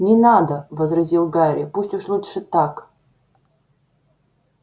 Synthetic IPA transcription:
nʲɪnad̪əvəzrɐzʲilˠɡaɾʲɪpusʲtʲʊʂlˠutʂɨt̪ak

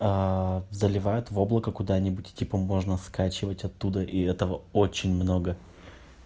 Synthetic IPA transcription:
azəlʲɪvajʊt̪vo̞blˠəkəkʊd̪anʲɪbʊtʲtʲipəmo̞ʐnəskat͡ɕɪvətʲɐt̪ːud̪əʔiɛt̪əvəo̞t͡ɕɪnʲmno̞ɡə

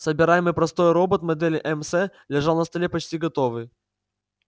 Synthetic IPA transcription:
səbʲɪɾajɪmɨjpɾɐst̪o̞jɾo̞bət̪mɐd̪ɛlʲɪʔɛmsɛ | lʲɪʐalˠnəst̪ɐlʲepɐt͡ɕtʲiɡɐt̪o̞vɨj

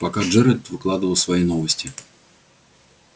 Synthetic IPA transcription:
pɐkaʐɛɾət̪vɨklˠad̪ɨvəlˠsvɐinovəsʲtʲɪ

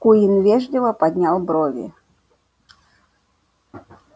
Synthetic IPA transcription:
kujinvʲɛʐdʲɪvɐpad̪ʲnʲalˠbɾɔvʲḭ

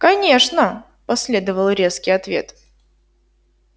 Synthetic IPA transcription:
kɐnʲe̞ʂnə | pɐsʲlʲe̞d̪əvəlˠɾʲe̞skʲɪjɐt̪vʲe̞̰t̪

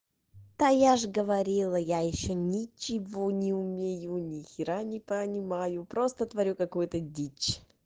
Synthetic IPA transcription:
t̪ajaʐɡəvɐɾʲilˠəjajɪɕːonʲɪt͡ɕɪvonʲɪʊmʲejunʲɪxʲɪɾanʲɪpənʲɪmajʊpɾost̪ət̪vɐɾʲukɐkojt̪ədʲit͡ɕ

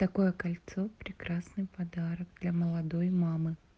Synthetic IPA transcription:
t̪ɐko̞jəkɐlʲt̪sopɾʲɪkɾasnɨjpɐd̪aɾəkd̪lʲɐməlˠɐd̪ojmamɨ

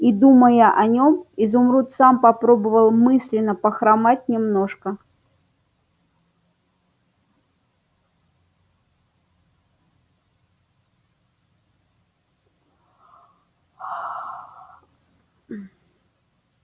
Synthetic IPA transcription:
id̪uməjəʔɐnʲomizʊmɾut̪sampɐpɾobəvəlˠmɨsʲlʲɪnːəpəxɾamatʲnʲɪmno̞ʂkə

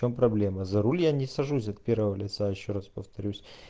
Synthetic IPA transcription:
ompɾɐblʲe̞məzɐɾulʲjanʲɪsɐʐus̬ʲɐt̪̚pʲe̞rvəvəlʲɪt̪sajɪɕːoɾaspəft̪ɐɾʲusʲ

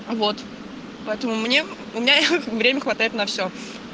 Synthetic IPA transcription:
vot̪ | pɐɛt̪əmʊmnʲe | ʊmʲɪnʲavɾʲemʲəxvɐt̪ajɪt̪nɐfsʲo

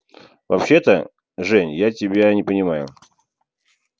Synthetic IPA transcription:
vɐpɕːe̞t̪ə | ʐɛnʲjatʲɪbʲanʲɪpənʲɪmajʊ̰

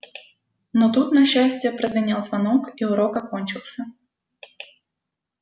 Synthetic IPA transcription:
not̪ut̪nɐɕːæsʲtʲɪjəpɾəzvʲɪnʲalˠzvɐnokiʊɾo̞kɐko̞nʲt͡ɕɪlˠsʲə

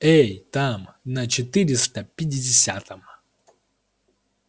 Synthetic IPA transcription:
ejt̪amnɐt͡ɕɪt̪ɨɾʲɪst̪əpʲɪdʲɪdʲɪsʲa̰t̪əm

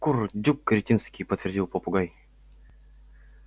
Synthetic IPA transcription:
kurdʲukːɾʲɪtʲinskʲijpət̪vʲɪrʲdʲilˠpopʊɡaj

